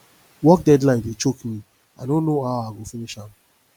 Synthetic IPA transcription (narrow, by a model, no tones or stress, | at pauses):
wɔk̚dɛdlãɪ̃ndet͡ʃokmĩ | aɪdõnːoaʊaɡofiniʃãm